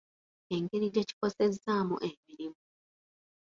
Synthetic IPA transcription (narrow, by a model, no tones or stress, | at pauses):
e̞ŋɡe̞ɾiɟeci̥ko̞se̞zːaːmṵʔe̞miɾimu